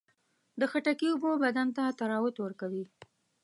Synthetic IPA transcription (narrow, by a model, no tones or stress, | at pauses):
d̪əxaʈakiʊbobad̪ant̪at̪aɾɑwʊt̪wəɾkawi